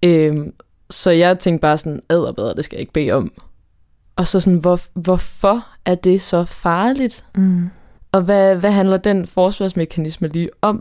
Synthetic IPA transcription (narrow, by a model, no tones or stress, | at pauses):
øm | sɒ̽jɑ̈ɪt͡sʰeŋ̰ɡ̥d̥̚b̥ɑ̈ːsɒ̽næð̞̰ˠɐb̥eð̞ˠɐd̥e̝sɡ̥æja̰e̝ɡ̥̚b̥e̝̰ːɒ̽m | ʔɒ̽sɒ̽sɔnʋɒʋɒfɒ | æɐd̥e̝sɒ̽fɑ̈ːlid̥ | ʔɒ̽ʋæʋæɦænlɐd̥en̰fɒːsʋɑsmekʰænisməliːɒ̽m